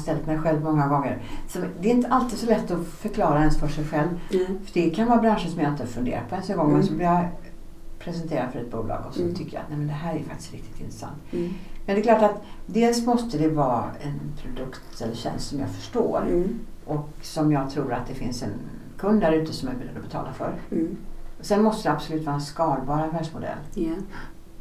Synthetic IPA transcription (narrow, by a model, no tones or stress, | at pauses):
st̪ɛlt̪mɛjɧɛlvmɔŋːaɡɔŋːəɾsɔd̪ɛɪnt̪əʔalt̪ɪːd̪sɔlɛt̪ːɔfœɾkʰlɑːɾaɛnsfœʂɛjɧɛlvfœɖɛkʰanvɑːbɾanʂəsɔmjaɪnt̪əɑɾfɵnd̪ḛːɾat̪̚pʰɔɛnsɔnɡɔŋːmɛnsɔblɪja | pʰɾɛsɛnt̪ʰeːɾad̪fœɾɛt̪̚bṵːlɑ̰ːɡɔsɔt̪ʰʏkːəja̰t̪nɛmɛnd̪ɛɦæːɾæfakt̪ɪ̥sk̪ɾɪkt̪ɪ̥t̪ɪ̰nt̪ɾəsa̰nt̪mɛnd̪ɛklɑːʈat̪d̪eːlsmɔst̪əd̪ɛvɑːɛnpʰɾʊd̪ɵkt̪ɛlːəɕɛ̰nst̪sɔmjɑ̰fœ̥ʂʈo̰ːɾ | ʔɔksɔmjɑːɡt̪ʰɾuːɾat̪̚d̪ɛfɪnsɛn | kʰɵnd̪d̪æɾʉ̟ːt̪əsɔmjabɪlɛd̪ɔbɛt̪ʰɑ̰ːlafœ̰ɾ | sɛnmɔst̪əjɛabsʊlʉ̟ːt̪vɑːɛnskɑːlbɑːɾɛfæːɖʂmʊd̪ɛ̰lː